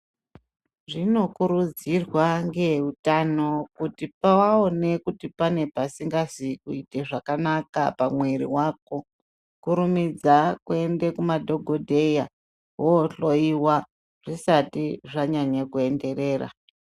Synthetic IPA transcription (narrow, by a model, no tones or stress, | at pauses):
ʐino̞kuɾud͡zirwaŋɡe̞utano̞kutipawaone̞kutipane̞pasiŋɡazikuite̞ʐakanaka̰pamweɾḭwaːk̚o̞ | kuɾumid͡zakue̞ndekumadʱo̞ɡʱodʱe̞ja | woɬo̞iwa | ʐ̥isatiʐaɲaɲakue̞nde̞ɾe̞ːra̰